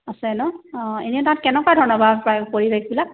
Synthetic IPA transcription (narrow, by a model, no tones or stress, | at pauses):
asɛnɔeniɛtãtkɛnɛkwadʱɔɹnɔbʱadpapoɹibekbilap̚